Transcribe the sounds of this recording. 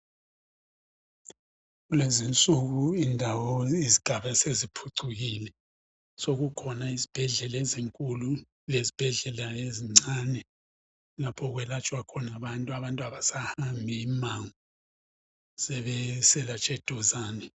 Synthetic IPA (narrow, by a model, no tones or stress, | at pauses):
ɣulezint͡sʼuɣuindʱawɔiziɡ̥ʱaβɛsezipʰuǀʰuɣilɛ | soɣukʰɔnaizib̥ʱɛɮɛlɛziŋkʼulu | lezib̥ʱɛɮɛlaeziŋ͡ǀanɛ | lapʰɔɣwɛlat͡ʃʼwakʰɔnaβantʼuaβantʼuaβasahambʱiːmaŋu | zɛβɛsɛlat͡ʃʼɛd̥ʱɔzaːnɛ